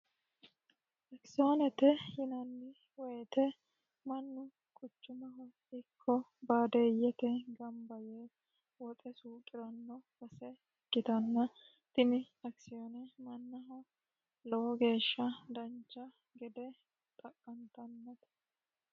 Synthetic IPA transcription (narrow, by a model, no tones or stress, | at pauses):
ɐksɪjonɛt̪ɛhɪnɐnːɪ | wɔjɛt̪ɛ | mɐnːʊ | kʼʊt͡ʃːʊmɐɦɔ | ɪkʰːɔbaːd̪ejːɛt̪ɛɡɐmbɐje | wɔt̪ʼɛsuːkʼɪɾɐnːɔwɐsɛ | kːɪt̪ɐnːɐ | t̪ɪmɪ | ɐksɪjonɛmɐnːɐɦɔ | lɔwɔɡe̞ːʃːɐd̪ɐnt͡ʃːɐ | ɡɛd̪ɛ | t̪ʼɐkʼːɐnt̪ɐnːɐt̪